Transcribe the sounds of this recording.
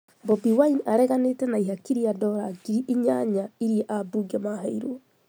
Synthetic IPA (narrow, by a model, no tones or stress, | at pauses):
bɔbiwainaɾɛɣanetɛnaiɦakiɾiadɔɾakiɾiʔiɲa̰ɲaiɾiɛʔabuɡɛmaɦaiɾuɔ